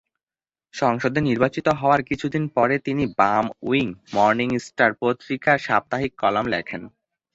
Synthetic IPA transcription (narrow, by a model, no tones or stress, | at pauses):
ʃɔŋʃod̪eniɾbat͡ɕit̪oɦɔoaɾkit͡ɕʰud̪inpɔɾet̪inibamṵiŋmɔɾniŋsʈaɾpot̪ɾikaʃap̚t̪aɦikːɔlamlɛ̰kʰen